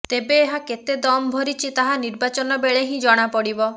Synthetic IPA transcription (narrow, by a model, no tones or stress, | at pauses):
t̪ebeːɦaket̪ed̪ɔmɔbʱɔɾit͡ʃʰit̪aɦaniɾbat͡ʃɔnɔbeɭeɦĩd͡ʒɔɽ̃apɔɽibɔ